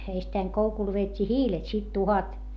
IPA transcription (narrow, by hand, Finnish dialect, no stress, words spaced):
eistæiŋ koukul ʋeːtʲːiː hiːlet sit tuhɑt